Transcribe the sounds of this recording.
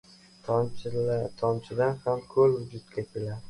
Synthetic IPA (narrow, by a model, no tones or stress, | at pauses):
t̪ʰ | t̪ʰɒmt͡ʃʰɪd̪anhamkʰɵlwʊd͡ʒʊt̪̚kʲʰakʲʰelad̪ɪ